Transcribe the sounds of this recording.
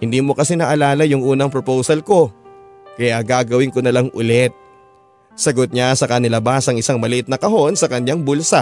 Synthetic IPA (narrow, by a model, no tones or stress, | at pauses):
hɪnd̪iːmo̞kɐsɛnɐʔɐlaːlɐjʊŋʔuːnɐŋpɾopowsɐlko̞ | kɐjaɡaːɡɐwɪŋkonɐlaŋʔʊlɛt̪̚ | sɐɡot̪̚ɲasɐkɐnɪlɐbasɐŋɪsaŋmɐlɪʔɪt̪̚nɐkɐɦo̞nsɐkɐnʎaŋbulsɐ